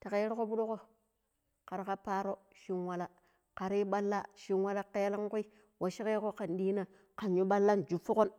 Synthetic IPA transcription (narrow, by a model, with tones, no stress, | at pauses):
ta˨ke˨˦ɾko˦bu˦ɗo˦ko˦ | ka˨ɾka˦pa˦ɾo˦ʃi˦nwa˨la˨ | ka˨ɾi˦ɓa˦lːa̰˦ʃi˦nwa˦la˦ke˦la˦ŋku˦i˦ | wa˨ʃi˦ke˦ko˦ka˨ndiː˦na˨ | ka˨nju˦ɓa˦lːa˦nd͡ʒu˨fu˦ko˦n